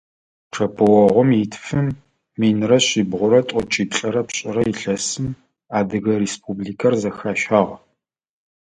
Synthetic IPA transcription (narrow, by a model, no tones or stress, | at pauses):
ʈ͡ʂʰɐpʰɨwɔʁʷɔmitʰfɨmː | iːnrɐɕiːbʁʷʊɾɐtʷʼɔt͡ʃʼiːp̚ɬʼɐɾɐpɕʼɪrɐiɬɐsɨm | aːdɨɣɐresp̚ʰubliːkʰɐrzɐxaːʃaʁ